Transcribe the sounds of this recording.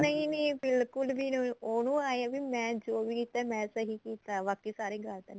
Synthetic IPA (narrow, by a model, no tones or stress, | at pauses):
nəĩniːbɪlkʊlbiːnũoːnũːaːjãːbiːmɛ̃ːd͡ʒoːbiːkiːt̪aːmɛ̃ːsəɦiːkiːt̪aːʋaːkiːsaːɾeːɡaːt̪enː